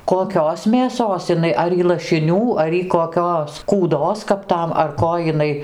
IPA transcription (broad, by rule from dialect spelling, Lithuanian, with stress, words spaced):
koːˈkʲoːs mʲeːˈsoːs ɪˈnɐɪ ˈɐr iː lˠɐʃʲɪˈnʲuː ɐr ˈiː koːˈkʲoːs kuːˈdoːs kɐp ˈtɐm ɐr ˈkoː jɪˈnɐɪ